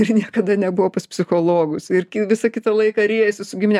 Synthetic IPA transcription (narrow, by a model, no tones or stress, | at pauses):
ɪrnʲiɛkɐd̪ɐnʲɛbʊʋoːpɐspʲsʲɪxoːlˠoːɡʊsɪrkʲɪʋʲɪsɐkʲɪt̪ɐlˠɐɪkɐɾʲeːjɛsʲɪsʊɡʲɪmʲɪnʲɛ